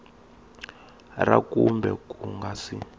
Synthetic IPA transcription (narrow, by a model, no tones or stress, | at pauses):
rakumbɛkuŋɡasi